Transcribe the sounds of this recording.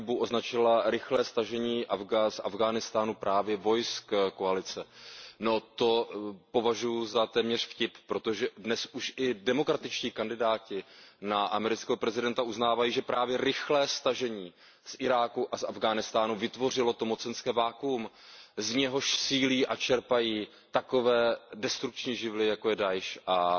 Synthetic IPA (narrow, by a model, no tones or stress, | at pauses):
buʔoznat͡ʃɪlaɾɪxlɛːst̪aʒɛɲiːʔavɡasʔa̰vɡaːnɪst̪aːnupɾʔaːvjɛvo̞jskkoalɪt͡sɛno̞t̪o̞po̞vaʒujuzat̪ɛːmɲɛr̥fcɪppɾo̞t̪o̞ʒɛdnɛsʔuʃʔɪdɛmo̞kɾat̪ɪt͡ʃciːkandɪdaːcɪnaʔamɛɾɪt͡skɛːɦo̞pɾɛzɪdɛnt̪aʔuznaːvajiːʒɛpɾʔaːvjɛɾɪxlɛːst̪aʒɛɲiː | sʔɪɾaːkuʔasa̰vɡaːnɪst̪aːnuvɪt̪vo̞r̝ɪlo̞t̪o̞mo̞t͡sɛnskɛːvaːkum | zɲɛɦo̞ʃsiːliːʔat͡ʃɛɾpajiː | t̪ako̞vɛːdɛst̪ɾuk̚t͡ʃɲiːʒɪvlɪjakojɛdajʃʔa